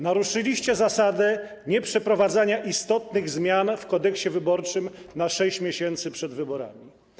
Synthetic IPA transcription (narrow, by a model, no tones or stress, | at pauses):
naɾuʂɘlʲiɕt͡ɕɛzasad̪ɛ | ɲɛpʂɛpɾɔvad̪zaɲaʔist̪ɔt̪nɘɣzmʲjanfkɔd̪ɛkɕɛvɘbɔɾt͡ʂɘmnaʂɛɕt͡ɕmʲjeɕɛnt̪sɘpʂɛd̪vɘbɔɾa̰mʲi